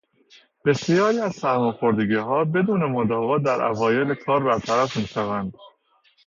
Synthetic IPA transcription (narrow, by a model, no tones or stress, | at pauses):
b̥e̞sijɒːɾiːæzsæɾmɒxo̞ɾd̪eɡiːɦɒːbe̞d̪uːne̞mod̪ɒːɣɒːd̪æɾʔæ̰vɒːje̞lekʰɒːɾbæɾt̪ʰæɾæfmiːʃævænd̪̥